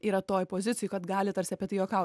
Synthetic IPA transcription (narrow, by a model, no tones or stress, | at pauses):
iːɾɐt̪oːjpoːzʲɪt̪ʲɪjʊkɐt̪ɡɑːlʲɪt̪ɐɾʲsʲɪɐpʲiɛt̪ɐɪjoːkɐʊ